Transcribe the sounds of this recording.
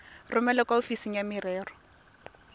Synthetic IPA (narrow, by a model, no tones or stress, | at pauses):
rʊmɛlɛkʼaʊfisiŋjamɪrɛːrɔ̥